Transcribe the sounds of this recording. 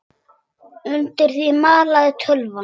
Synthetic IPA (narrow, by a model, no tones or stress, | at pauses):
ʏnt̪ɪɾ̥θimaːlaðɪt̪ʰœlva